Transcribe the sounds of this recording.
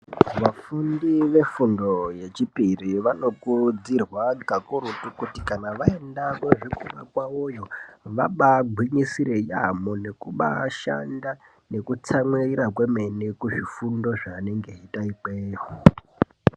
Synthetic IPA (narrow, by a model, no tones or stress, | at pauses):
ʋafundiʋe̞fundo̞je̞t͡ʃipiriʋano̞kud͡zirwakakuɾutukutikanaʋae̞ndakeʐikuɓa̰kwaojo̞ʋaɓaɡʱwiɲisiɾejamone̞kuɓa̰ʃa̰nda | ne̞kut͡samwerirakwe̞me̞nekuʐifundo̞ʐaːne̞ŋɡe̞ɦitaipeːɦo